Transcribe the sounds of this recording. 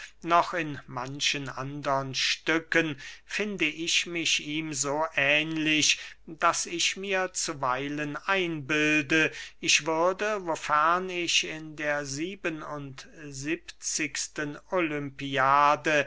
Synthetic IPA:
nɔχɪnmanʃənʔa̰ndəʁənʃtʏkənfɪndəʔɪçmɪçiːmzoːʔɛːnlɪʃd̥asɪçmiːɐt͡suvaɪlənʔaɪnbɪldəɪçv̥ʏɐdəvofɛɐnɪçɪndeːɐziːbənʊntzipt͡sɪkstənolʏmpiaːdə

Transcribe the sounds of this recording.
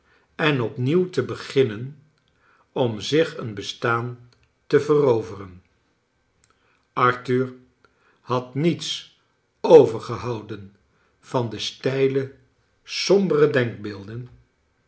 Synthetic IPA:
ɛnɔpniwtəbəχɪnən | ɔmzɪχənbəstaːn | təvərowvərən | ɑɹtyɹ | hɑtnits | owvəɹχəɦɑwdən | v̥ɑndəstɛjlə | sɔmbərədɛŋɡ̚bɪːlˠdən

